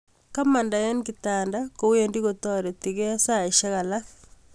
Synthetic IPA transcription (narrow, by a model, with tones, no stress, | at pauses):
ka˦ma˨nda˨jɛ˦nkitaːndako˨wjendi˦ɣotɔ˦ɾe˨ti˨ɣɛ˦sa˦˨i˨ʃa˦ɣa˨la